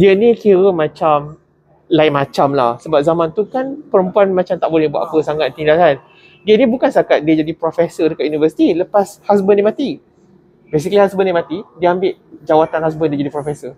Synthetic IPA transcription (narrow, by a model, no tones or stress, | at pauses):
diənĩkiɾəmãt͡ʃam | laɪmat͡ʃamlahsəbap̚zamãnt̪ukanpəɾəmpuanmat͡ʃamt̪aʔbolɛhbuaʔpəsaŋat̪̚t̪ːindaan | diənĩbukansakat̪̚diəd͡ʒadipɾofɛsədəkaʔ̪junivəsi̥t̪iləpashasbənĩmat̪i | bes̬ikəlihasbənimãt̪idiəambɪʔ | d͡ʒawat̪anhas̬bəndiəd͡ʒadipɾofɛsə